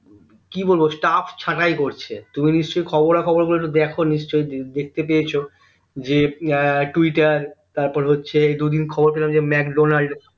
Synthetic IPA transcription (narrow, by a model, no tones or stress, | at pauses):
kibolbosʈafʰt͡ɕʰaʈajkoɾt͡ɕʰet̪uminiʃt͡ɕojkʰɔboɾakʰɔboɾɡuloekʈud̪ɛkʰoniʃt͡ɕojd̪ek̚ʰt̪epejet͡ɕʰo | d͡ʑeʈuiʈaɾt̪aɾpɔɾeɦotːɕʰeejd̪ud̪inkʰɔboɾpelamd͡ʑemɛkɖonaɭɖ